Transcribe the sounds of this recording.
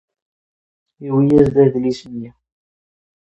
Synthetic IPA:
iwijæzd̪æðlisənjæ

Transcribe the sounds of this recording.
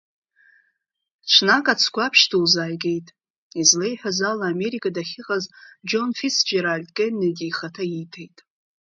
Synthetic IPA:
t͡ʃʷʰnakʼat͡sʰkʷʰapʰʃtʰulzajɡʲe̞jtʼ | izle̞jħʷᶣazalaːme̞ɾikʰʼadaχʲɪqʼazd͡ʒo̞nfisd͡ʒeɾarldkʼenːadiːχatʰaitʰejtʼ

